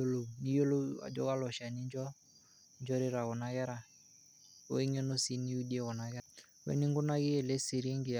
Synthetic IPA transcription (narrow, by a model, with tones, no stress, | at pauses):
o˦lo˨ni˦jo˦lo˦a̰˨d͡ʒɔ̰˦ka˦lɔ˨ʃa˨ni˦ɲd͡ʒɔ˦ | ɲd͡ʒɔ˦ɾɪ˦ɾa˨ɣɔ˨na˨ɣɛ˦ɾa˨ | o̰˦i˦ŋɛ˦no˦si˦ni˦u˦di˦ɛ˦ɣɔ˨na˨ɣɛ˦ | wɛ̰˦ni˦ŋɡʊ˦na˦ɣɪ˦ɛ˨lɛ˦si˨ɾe˦ŋɡɪ˨